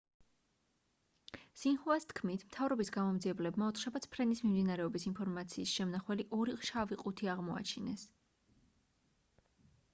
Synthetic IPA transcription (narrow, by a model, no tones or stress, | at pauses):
sinχuast̪ʰkʰmit̪ʰmt̪ʰavɾɔbisɡamɔmd̪ziɛblɛbmaɔt̪ʰχʃabat̪sʰpʰɾɛnismimd̪inaɾɛɔbisinpʰɔɾmat̪sʰiːsʃɛmnaχwɛliʔɔɾiχʃaviqʼut̪ʰiaʁmɔa̰t͡ʃʰinɛs